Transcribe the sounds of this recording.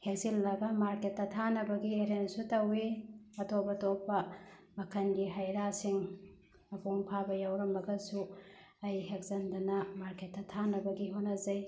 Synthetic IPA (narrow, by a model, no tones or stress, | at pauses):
hesilːɐɡɐmaɾketːɐtʰanɐbɐɡieɾensutɐwiɐtʰobɐtopːɐmɐkʰɐnɡiɦɐjɾasiŋ | ɐkuŋpʰabɐjawɾɐmɐɡɐsu | ɐjɦek̚zɐndɐnɐmaɾkʰetːɐtʰanɐbɐɡiɦonːɐzɐj